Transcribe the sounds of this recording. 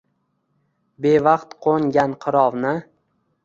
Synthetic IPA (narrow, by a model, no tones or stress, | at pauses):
be̞vɑqt̪qʰoŋɡʲanqʰɨɾɒvnɪ